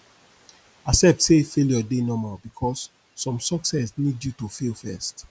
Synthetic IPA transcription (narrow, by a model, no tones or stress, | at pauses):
asɛp̚tsefeljɔdenɔmabikʰɔsː | ɔ̃msɔksɛsnidjutofelfɛst